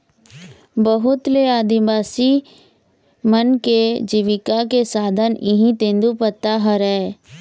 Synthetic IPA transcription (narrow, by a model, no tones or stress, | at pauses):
bəɦʊt̪leaːd̪ibaːsi | mənked͡ʒiʋɪkakesaːd̪ʱənɪɦĩt̪ẽːnd̪upət̪ːaɦəɾɛː